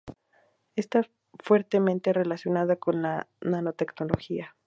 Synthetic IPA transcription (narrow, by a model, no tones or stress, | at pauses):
est̪a | fwe̞ɾt̪e̞mẽ̞nt̪e̞re̞lasjo̞naðako̞nlanano̞t̪e̞kno̞lo̞xia